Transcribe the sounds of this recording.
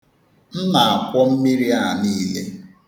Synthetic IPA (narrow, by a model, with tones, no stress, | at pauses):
n̩˦na˨a˨kʷɔ˦m̩˦mi˦ɾi˦a˦˨niː˦le˦